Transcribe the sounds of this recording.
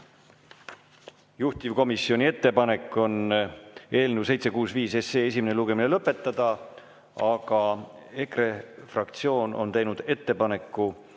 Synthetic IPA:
juht̪ʲivko̞misːio̞nʲie̞t̪ːe̞pɑne̞kːˑo̞n | e̞ːlneuse̞jt̪se̞kuːsviːse̞seːes̬imeneluɡe̞mine̞lɤpːˑe̞t̪ːɑd̪̥ɑ | ɑɡ̥ɑ | e̞kre̞frɑkt̪sio̞ːnʔo̞̰nt̪e̞jnud̪̥e̞t̪ːe̞pɑne̞kːˑu

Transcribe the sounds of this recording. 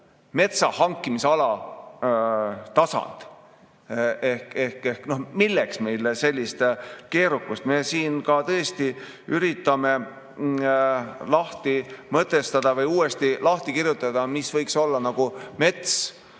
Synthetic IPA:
me̞t̪sɑhɑŋkˑːimiseɑlɑ | t̪ɑsɑ̰nd̪̥ | e̞hke̞hkehkno̞hmilːeksme̞jlese̞lʲːist̪ke̞ːɾukːust̪me̞siːnkɑt̪ɤ̞est̪i | yɾit̪ːˑɑme̞ | lɑht̪imɤt̪ːˑe̞st̪ɑd̪̥ɑvɤjuːest̪ilɑht̪ikirjut̪ːˑɑd̪̥ɑmisvɤjkso̞lːɑnɑɡ̥ume̞t̪s

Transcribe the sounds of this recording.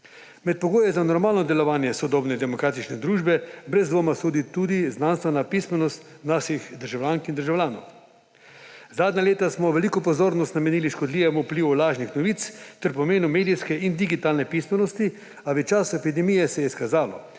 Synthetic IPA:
mɛt̪̚pɔɡoːjɛzanɔɾmaːlnɔd̪ɛlɔʋaːnjɛsɔd̪ɔːbnɛd̪ɛmɔkɾaːt̪it͡ʃnɛd̪ɾuːʒbɛbɾɛzd̪ʋoːmasoːd̪it̪ud̪iznanst̪ʋɛnapismɛnɔst̪ | naːʃixd̪əɾʒawlʲjaːŋkind̪əɾʒawlʲjaːnɔ̰w | zaːd̪nʲaleːt̪asmɔʋɛliːkɔpɔzoːɾnɔst̪namɛniːliʃkɔd̪liːʋɛmupliːwulaːʒnixnɔʋit̪st̪ɛɾpɔmeːnumeːd̪ijskɛʔind̪iɡit̪aːlnɛpismɛnɔst̪i | aʋɛt͡ʃasɛpid̪ɛmijɛsɛjɛiskazaːlɔ̰

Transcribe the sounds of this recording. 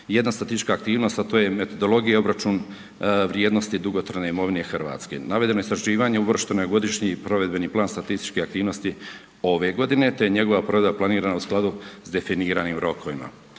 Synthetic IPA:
je̞d̪nast̪at̪ist̪i̥t͡ʃkaːk̚t̪iːʋno̞st̪at̪o̞ːje̞me̞t̪o̞d̪o̞lˠo̞ɡijeo̞bɾat͡ʃuːn | ʋɾjeːd̪nost̪id̪uɡo̞t̪ɾane̞imo̞ʋine̞xrɾʋa̰ːt̪skḛnaʋe̞d̪e̞no̞eist̪ɾaʒiːʋaɲe̞ubr̩ʃt̪enoɡo̞d̪iʃɲipɾo̞ʋe̞d̪̚be̞niːplˠaːnst̪at̪ist̪i̥t͡ʃkeak̚t̪iːʋno̞st̪i | o̞ʋe̞ɡo̞d̪ine̞t̪e̞jeɲeɡo̞ʋapɾo̞ʋe̞d̪baplˠaniːɾaːnausklˠad̪uzd̪e̞finiːɾaːniːmɾo̞kʰo̞ʋima̰

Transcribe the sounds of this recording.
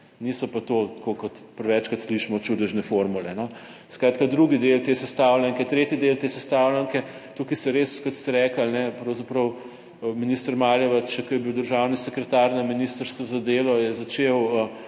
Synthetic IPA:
nisɔpat̪ot̪kokɔt̪pəɾʋɛt͡ʃkat̪sliʃmɔt͡ʃud̪ɛʒnɛfoɾmulɛnɔ | skɾaːt̪kad̪ɾuɡid̪elt̪eːsɛst̪awlʲaŋkɛt̪ɾeːt̪id̪elt̪eːsɛst̪aːwlaŋkɛ | t̪ukisɛɾeːskɔt̪st̪ɛɾɛːkəlnɛpɾɐwzapɾɐw | minist̪əɾmaːljɛʋat͡ʃkɔjɛbiwd̪əɾʒawnisɛkɾɛt̪aɾnaminiːst̪əɾst̪ʋazad̪eːlɔjɛzat͡ʃewə

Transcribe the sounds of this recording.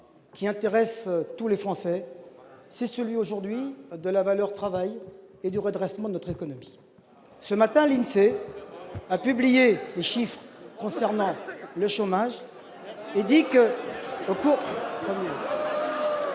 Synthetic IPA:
kʲiɛ̃t̪eʁɛst̪ulefχɑ̃sɛ | sɛsəlɥioʒuʁd̪ɥid̪əlavalœʁt̪χavajed̪yʁəd̪ʁɛst̪mɑ̃d̪ənɔt̪χekɔnɔmi̥ | səmat̪ɛ̃linse | apyblijeleʃifχkɔ̃sɛʁnɑ̃ləʃomaʒ | ed̪ikəokupɔmjɛ

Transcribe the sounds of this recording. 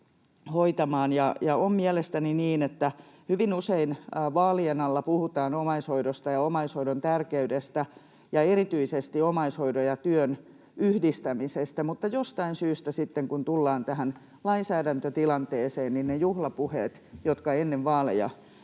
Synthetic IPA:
hoit̪ɑmɑːnjɑjɑommiælest̪æniniːnet̪ːæhyʋinuseinːʋɑːlienɑlːɑpuhut̪ɑːnomɑishoidost̪ɑjɑomɑishoidont̪ærkeydest̪æ | jɑerit̪yisest̪iomɑishoidojɑt̪yøn | yhdist̪æmisest̪æmut̪ːɑjost̪ɑinsyːst̪æsit̪ːeŋkunt̪ulːɑːnt̪æɦæn | lɑinsæːdænt̪øt̪ilɑnt̪eːseːnninnejuhlɑpuheːt̪jot̪kɑenːeʋʋɑːlḛjɑ̰

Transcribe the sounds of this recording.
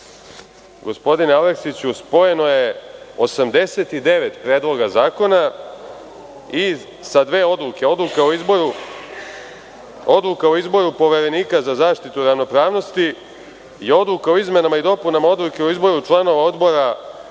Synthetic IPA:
ɡo̞spo̞d̪ineoleksit͡ɕuspo̞je̞no̞je̞osamd̪e̞se̞t̪id̪e̞ʋet̪pɾeːd̪lˠo̞ɡazaːko̞na | i | sad̪ʋe̞ːo̞d̪lˠuke̞o̞d̪lukaoiboɾu | o̞d̪lˠukaoizbo̞ɾupo̞ʋe̞ɾe̞niːkazazaːʂt̪it̪uɾaʋno̞pɾaːʋno̞st̪i | io̞d̪lukaoizme̞namaid̪o̞punamao̞d̪lukeoizbo̞ɾut͡ʂlˠano̞ʋao̞d̪bo̞ɾa

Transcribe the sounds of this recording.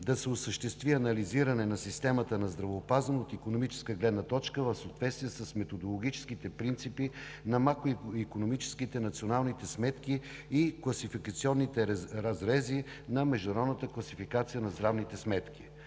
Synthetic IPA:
d̪ɐsɛosəʃt̪ɛst̪viɐnɐliziɾɐnɛnɐsist̪ɛmət̪ənɐzd̪ɾɐvoːpazənoːt̪ikonomit͡ʃɛ̥skəɡlɛd̪nət̪ɔt͡ʃkəvɐfsot̪vɛt̪st̪viɛsəsmɛt̪od̪olˠoɡ̟it͡ʃɛ̥skit̪ɛpɾint̪sipi | nɐmakɾoikonomit͡ʃɛ̥skit̪ɛnɐt̪sionalˠnit̪ɛsmɛt̪ki | iklˠɐsifikət̪siɔnːit̪ɛɾɐzɾɛzi | nɐmɛʒd̪uʊnɐɾɔd̪nət̪əklˠɐsifikat̪sijənɐzd̪ɾavnit̪ɛsmɛt̪kʲi

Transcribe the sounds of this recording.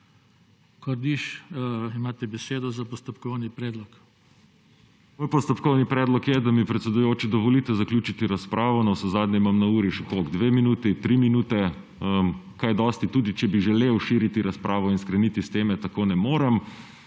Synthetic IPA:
kɔɾd̪iʃimaːt̪ɛbɛseːd̪ɔzapɔst̪ɔpkɔwnipɾɛːd̪lɔk | mojpɔst̪ɔpkɔwnipɾɛːd̪lɔkjɛd̪amipɾɛt̪sɛd̪ʊjoːt͡ʃid̪ɔʋɔlit̪ɛzaklʲuːt͡ʃit̪iɾaspɾʔaːʋɔnawsɔzaːd̪nʲɛimamnauːɾiʃɛkoɡd̪ʋeːminuːt̪ɛit̪ɾiminuːt̪ɛ | əkajd̪ɔst̪it̪uːd̪it͡ʃɛbiʒɛleːwʃiɾit̪iɾaspɾʔaːʋɔinskɾɛnit̪ist̪eːmɛt̪akoːnɛmoːɾɛm

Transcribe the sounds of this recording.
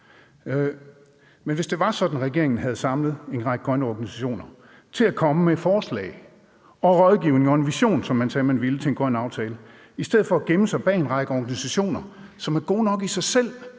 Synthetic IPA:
menʋe̝sd̥e̝ʋɑ̈sɒ̽d̥n̩ʁɛɡ̥e̝ɐ̰e̝ŋn̩ɦæð̞̩ˠsɑ̈mləð̩ˠe̝nʁɑ̈ɡ̥əɡʁɶnəɒɡ̥ænisæɕo̝̰ːnɐ | t͡sʰe̝lækʰɒ̽məmefɒːslɛ̰ɪ | ɒ̽ʁɒð̞ˠɡ̥iʊne̝ŋɒ̽e̝nʋiɕo̝̰ːnsɒ̽mːænsɛːmænʋilət͡sʰe̝enɡ̥ɶnɑ̈ʊt͡sʰɛːlə | isd̥eð̩ˠfɒ̽æɡ̥eməsɑ̈ɪb̥ɛ̰ːe̝nʁɑ̈ɡ̥əɒːɡ̥ænisæɕo̝̰ːnɐsɒ̽mæɐɡ̥o̝̰ːnɒ̽ɡ̥isɑ̈ɪsel̰

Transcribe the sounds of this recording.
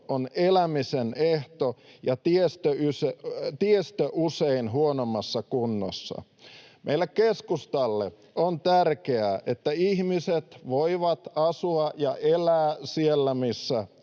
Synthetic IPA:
onelæmiseneht̪ojɑt̪iest̪øyset̪iest̪øʔuseinɦuonomːɑsːɑkunːo̰sːɑ̰ | mʔḛilːekkeskust̪ɑlːḛ | ont̪ærkeæʔet̪ːæihmiset̪ʋoiʋɑt̪ɑsuɑjɑʔelæːsielːæmisːæ

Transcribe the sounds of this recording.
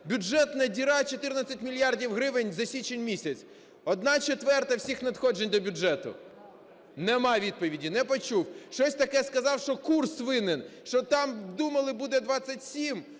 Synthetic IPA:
bʲʊd͡ʒʒɛt̪nɐdʲiɾɑt͡ʃɔt̪ɪrnɐt͡sʲːɐtʲmʲilʲjɑrdʲiwɦɾɪʋɪnʲzɐsʲit͡ʃenʲmʲisʲɐt͡sʲ | ɔd̪nɑt͡ʃet̪ʋɛrt̪ɐwsʲixnɐd̪xɔd͡ʒenʲd̪ɔbʲʊʒɛt̪ʊ̰ | nɛmɑjʋʲid̪̚pɔʋʲidʲinɛpɔt͡ʃuwʃt͡ʃɔsʲt̪ɐkɛskɐzɑwʃt͡ʃɔkursʋɪnɪnʃt͡ʃɔt̪ɑmd̪umɐlˠɪbud̪ɛd̪ʋɑt͡sʲːɐtʲsʲim

